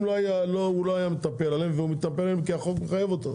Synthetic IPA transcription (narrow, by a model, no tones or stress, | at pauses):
loajalouloajamet̪apelalemveumit̪apelalemkiaχokmeχajavo̞t̪o